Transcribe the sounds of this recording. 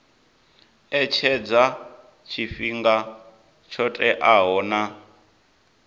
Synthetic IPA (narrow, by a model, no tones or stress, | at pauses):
ɛt͡ʃʰɛd͡za | t͡ʃʰifiŋɡa | t͡ʃʰɔtʼɛʔaɦɔːna